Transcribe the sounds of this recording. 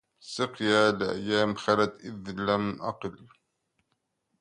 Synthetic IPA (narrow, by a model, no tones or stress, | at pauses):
sɨqjaːlʔa̰jːaːmxalat̪ʔɪðlamʔɑqɨl